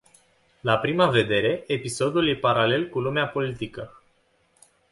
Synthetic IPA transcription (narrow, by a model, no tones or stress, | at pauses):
lapɾimave̞d̪e̞ɾe̞ʔepiso̞d̪ulje̞paɾale̞lkulumeapo̞lit̪ikə